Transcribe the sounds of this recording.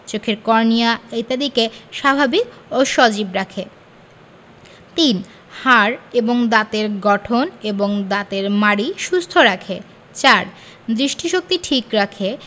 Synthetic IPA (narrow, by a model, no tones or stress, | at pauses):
t͡ɕokʰeɾkɔɾnijaejt̪ad̪ikeʃabʱabikoʃɔd͡ʑibɾakʰe | t̪in | haɾeboŋd̪at̪eɾɡɔʈʰoneboŋd̪at̪eɾmaɽiʃust̪ʰoɾakʰe | t͡ɕaɾ | d̪ɾiʃʈiʃok̚t̪iʈʰikɾakʰe